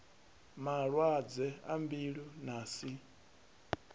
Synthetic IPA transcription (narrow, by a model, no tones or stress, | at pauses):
maɺwad͡zɛambiɺinaːsi